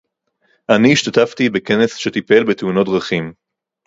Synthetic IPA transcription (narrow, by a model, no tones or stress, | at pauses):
ʔaniːʃt̪at̪aft̪ibeke̞nesʃe̞t̪ipe̞lbet̪euno̞t̚dʁaχim